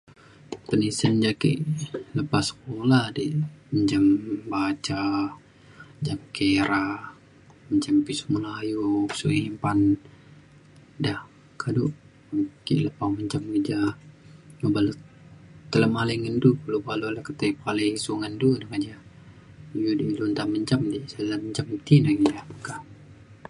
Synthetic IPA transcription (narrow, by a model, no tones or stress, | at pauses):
t̪ənisənd͡ʒakḭləpasə̥k̚oladiməɲd͡ʒambat͡ʃa | əɲd͡ʒamkeɾa | məɲd͡ʒampisumulajusuʔimpan | dah | kʰadu | kḭləpaməɲt͡ʃamɡid͡ʒa | obalu | t̪ələmaləŋəndukəlubalolakət̪epalesuŋəndudakad͡ʒa | judiilunt̪aməɲt͡ʃamdisaləməɲd͡ʒamt̪inaɡidapəkah